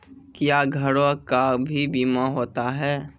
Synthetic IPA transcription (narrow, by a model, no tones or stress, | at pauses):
kjaːɡʱəɽokabʱibiːmaɦoːt̪aɦɛː